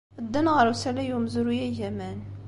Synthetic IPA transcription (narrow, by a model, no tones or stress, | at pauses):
əd̪ːænʁəɾusælæjumzuɾujæʝæmæn